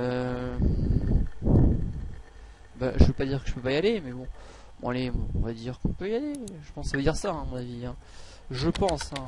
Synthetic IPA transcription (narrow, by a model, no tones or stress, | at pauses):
ø | ba̰ʒəvøpad̪iʁkə̥ʒəpøpajalemɛbɔ̃ | m̰alem̰ɔ̰̃vad̪iʁkɔ̃pøjaleʒəpɑ̃ssavəd̪iʁsaɛ̃mɔ̃naviɛ̃ | ʒəpɑ̃sɛ̃